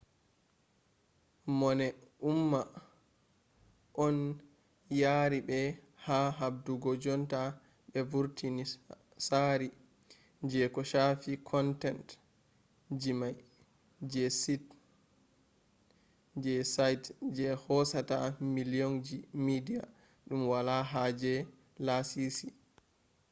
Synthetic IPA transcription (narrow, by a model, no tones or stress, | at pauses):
mɔnɛumːa | ʔɔn | jaɾibɛ | haɦab̚duɡɔd͡ʒɔnta | ɓɛvuɾtʰini | saɾi | d͡ʒɛkɔʃafikʰɔntɛnt | d͡ʒimaj | d͡ʒɛsit | d͡ʒɛsajtd͡ʒɛhɔsatamilijɔnd͡ʒimidija̰ | ɗumwalaɦad͡ʒɛ | lasisi